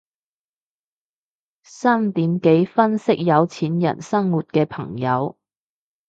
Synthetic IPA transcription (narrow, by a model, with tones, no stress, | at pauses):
saː˥mt̪iː˨˥mke˨˥jfɐ˥nsɪ˥k̚jɐ˨˧wt͡sʰiː˨˥njɐ̰˨˩nsɐ˥ŋwuː˨˩t̚kɛː˧pʰɐ˨˩ŋjɐ˨˧w